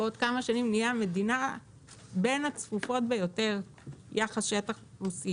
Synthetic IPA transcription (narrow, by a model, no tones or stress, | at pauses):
odkamaʃanimnijame̞dina | benat͡sfufo̞tbejo̞te̞ʁ | jaχasʃetaχusi